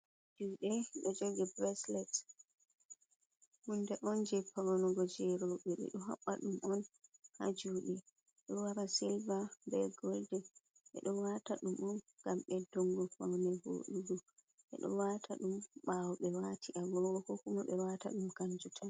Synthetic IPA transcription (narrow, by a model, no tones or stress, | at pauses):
ad͡ʒuɗɛɗɔd͡ʒoɡɛbɾɛslɛt | hundɛʔɔnd͡ʒɛpawɔnɔɡɔd͡ʒɛɾɔɓɛɗɛ̰ɗɔɦa̰ɓːaɗumʔɔnha̰d͡ʒuɗɛ | ɗɔwaɾasilvabɛɡɔldɛ | ɓɛ̰ɗɔwataɗumʔɔn | ɡ̥amɓɛdɔŋɡɔfawnɛho̰ɗuɡu | ʔɛ̰ɗɔ̰watʰaɗumɓawɔɓɛwatiʔaɡɔɔkɔkumaɓɛwata̰ɗumkaɲd͡ʒutʰan